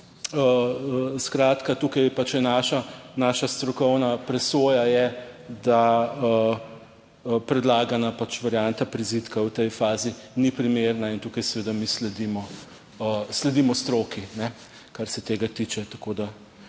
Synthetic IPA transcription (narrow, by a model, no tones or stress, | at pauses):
əəskɾaːt̪kat̪ukɐjpat͡ʃjɛnaːʃanaːʃast̪ɾɔkɔwnapɾɛsoːjajɛd̪aə | əpɾɛd̪laːɡanapat͡ʃʋaɾjant̪apɾizit̪kawt̪ɛjfaːzinipɾimeɾnaint̪ukɐjsɛʋeːd̪amislɛd̪imɔ | əslɛd̪imɔst̪ɾoːkinɛ | kaɾsɛt̪eːɡat̪it͡ʃɛt̪ɐ̥kod̪a